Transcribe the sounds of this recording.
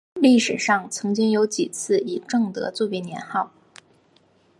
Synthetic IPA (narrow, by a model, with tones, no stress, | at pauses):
li˥˩ʂɻ̩˨˩ʂɑ˥˩ŋt͡sʰɤ˧˥ŋt͡ɕi˥ŋjo˧˥ʊt͡ɕi˨˩t͡sʰɹ̩˥˩i˨˩ʈ͡ʂɤ˥˩ŋt̪ɤ̰˧˥t͡swɔ˥˧˩pɛ˥˩njɛ̰˧˥nxɑ˥˩ʊ